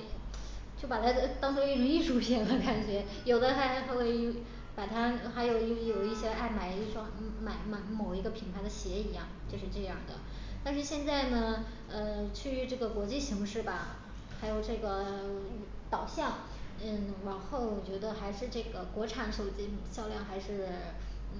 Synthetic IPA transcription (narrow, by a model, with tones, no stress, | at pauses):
t͡ɕjo˥˩ʊpa˨˩t̪ʰa˥˧t̪ɑ˥ŋsʰwɔ˥i˥ny˧˥i˥˩ʂu˧˥jɛ˧˥nlə˥˧ka˨˩nt͡ɕɥɛ˧˥ | jo˨˩ʊd̪ə˦xa˧˥ɪxa˧˥ɪxwe˥˩ɪ˧˥ | pa˨˩t̪ʰa˥xa˧˥ɪjo˨˧˩ʊ˧jjo˨˩ʊi˥˩ɕjɛ˥a˥˩ɪma˨˩ɪi˥˩ʈ͡ʂwa˥˩ŋma˨˩ɪma˨˧˩ɪmo˨˩ʊi˧˥ɡə˧pʰi˧˩ŋpʰa˧ɪd̪ə˧ɕjɛ˧˥i˧˥jɑ˥˩ŋt͡ɕjo˥˧ʊʂ̬ɻ̩˥˧ʈ͡ʂɤ˥˧jɑ˥˩ŋd̪ə̰˩ | t̪a˥˧nʂ̬ɻ̩˥˧ɕjɛ˥˧nt͡sa˥˩ɪnə˩ | ə˧t͡ɕʰy˥˩y˧˥ʈ͡ʂɤ˥˩ɡə˩kwɔ˧˥t͡ɕi˥˩ɕi˧˥ŋʂɻ̩˥˩bɐ˩ | xa˧˥ɪjo˨˩ʊʈ͡ʂɤ˥˩ɡə˩ | t̪ɑ˨˩ʊɕjɑ˥˩ŋ | n̩˥˩ɻa˧˥nxo˥˩ʊ˨˩t͡ɕɥɛ˧˥d̪ə˧xa˧˥ɪʂɻ̩˥˧ʈ͡ʂɤ˥˩ɡə˩kwɔ˧˥ʈ͡ʂʰa˨˩˦nʂo˨˩ʊt͡ɕi˥ɕjɑ˥˧ʊljɑ˥˩ŋxa˧˥ɪʂɻ̩˥˩˥